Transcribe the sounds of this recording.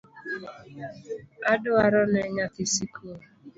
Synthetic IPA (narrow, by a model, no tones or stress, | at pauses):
adʊaɾɔnɛɲatɪsikʰu